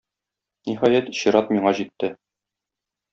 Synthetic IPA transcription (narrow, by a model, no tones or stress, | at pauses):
niɦɑjæt̪iɕĭɾɑt̪miɴɑʑit̪ːɘ